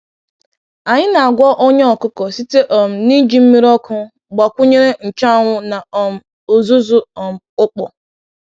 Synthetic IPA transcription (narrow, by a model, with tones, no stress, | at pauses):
a˨ɲɪ˦na˨a˨ɡʷɔ˦ʔo˦ɲe˦ɔ˨kʊ˦kɔ˨si˦te˦ʔɔ˨m̩˨ni˦d͡ʒi˦m̩˦mi˦ɾɔ˦kʊ˦ | ɡ͡ba˨kʷʊ˦ɲe˦ɾe˦n̩˨t͡ʃa˦ŋʷʊ˦na˨ɔ˨m̩˨ | o˨zu˦zʊ˦ɔ˨m̩˨ʊ˦k͡pɔ˨